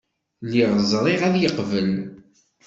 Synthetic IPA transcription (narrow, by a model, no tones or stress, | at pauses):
liʁˤəzˤɾˤeʁæðjəqvəl